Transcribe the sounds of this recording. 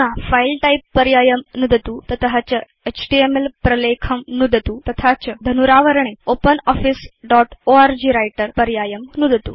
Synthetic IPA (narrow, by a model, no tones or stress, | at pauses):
ãfailʈaipːəɾjajəmnud̪t̪ut̪ət̪ʰɦat͡ɕə | et͡ɕʈiemelpɾəlekʰəmnud̪ʱt̪ut̪ɐt̪ʰat͡ɕəd̪ʱənuɾaʋəɾɳ̃eopənɔfisɖɔʈoaɾd͡ʑiːɾajʈəɾpəɾjajəmnud̪ʱət̪ṵ